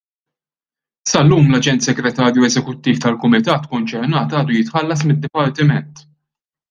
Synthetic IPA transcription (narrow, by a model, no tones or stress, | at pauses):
sɐlːuːmlɐd͡ʒɛnt̪sɛɡɾɛt̪ɐːɾjuɛzɛkʊt̪ːiːft̪ɐlkʊmɪt̪ɐːt̪kɔnt͡ʃɛɾnɐːt̪ɐːd̪ujɪt̪ħɐlːɐs̬mɪd̪ːɪpɐɾt̪ɪmɛnt̪